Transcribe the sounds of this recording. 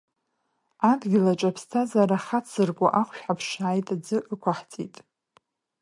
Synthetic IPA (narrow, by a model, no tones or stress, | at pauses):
adɡʲɪlat͡ʃʼapʰstʰazaɾaχat͡sʰɨrkʷʼa̰ʔaχʷʃᶣħapʰʂaːjtʼad͡zɨʔəkʷʰaħt͡sʼḭtʼ